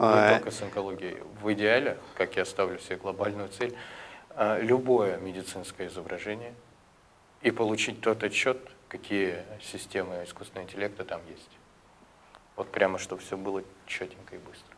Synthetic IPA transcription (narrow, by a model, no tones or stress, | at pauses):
ɪt̪okəsɨnkɐlˠoɡʲɪɪ̰vɨdʲɪalʲɪkakjast̪avlʲʊsʲɪbʲeɡlˠɐbalʲnʊjʊt̪sɛlʲəlʲʊbo̞jəmʲɪdʲɪt̪sɨnskəjəɪzəbɾʔɐʐɛnʲɪjə | ipəlˠʊt͡ɕit̚ʲt̪ot̪ɐt͡ɕːo̞t̪kɐkʲijəsʲɪsʲtʲe̞mɨɪskust̪vʲɪnəɪnʲtʲɪlʲek̚t̪ɨt̪amjesʲtʲ | vo̞t̪pɾʲaməʂt̪o̞bfsʲobɨlˠət͡ɕːotʲɪnʲkəibɨst̪ɾə̥